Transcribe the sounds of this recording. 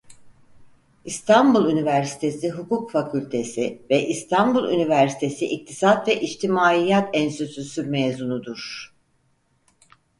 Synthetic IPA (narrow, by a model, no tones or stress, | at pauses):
ist̪ʰanbulˠynivæɾsi̥t̪ʰe̞siɦukukfakʰylʲt̪ʰesivɛʔist̪ʰanbulˠy̰nivæɾsi̥t̪ʰe̞siʔik̚t̪ʰi̥sat̪vɛʔit͡ʃt̪ʰimaːijat̪ɛnsøsysyɾmezunud̪uɾ̥